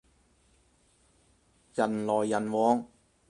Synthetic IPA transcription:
jɐ˨˩nlɔː˨˩jːɐ˨˩nwɔː˨˥ŋ

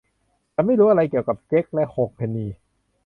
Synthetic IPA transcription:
t͡ɕa˧ma˥˩jɾuː˦˥ʔa˧ɾa˧jki˨˩əwka˨˩p̚t͡ɕe˦˥k̚lɛ˦˥ʔho˨˩k̚pʰeː˧nːiː˧

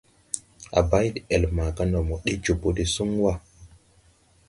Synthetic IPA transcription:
ʔa̰˨ba˦jdi˨e˨lma˨ka˦no˨mo˨ɗi˦d͡ʒu˨bo˦di˨su˦ŋ˦wa˦

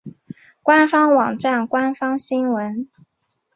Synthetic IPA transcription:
kwa˦nfɑ˥ŋwɑ˨˩ŋʈ͡ʂa˥˩nkwa˥nfɑ˥ŋɕi˥ŋwə˧˥n

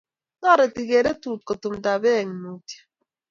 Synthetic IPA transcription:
na˦˨ɾe˨ti˨ɣe˨ɾe˦tu˦˨ko˨tu˨m̩˨da˨be˦˨ŋ˨nu˨˦tjḁ˦

